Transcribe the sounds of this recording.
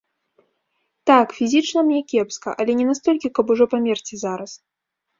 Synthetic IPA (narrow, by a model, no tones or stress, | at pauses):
t̪akfʲizʲit͡ʂnɐmnʲɛkʲɛpskɐ̰ʔɐlʲɛnʲɛnast̪ɔlʲkʲikɐpuʐɔpamʲɛrt͡sʲizaɾɐs